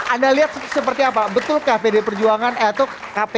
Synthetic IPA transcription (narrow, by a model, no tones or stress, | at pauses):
ʔandaliɦat̪̚səpərt̪iapabət̪ʊlkapedepərd͡ʒuaŋanat̪a | kape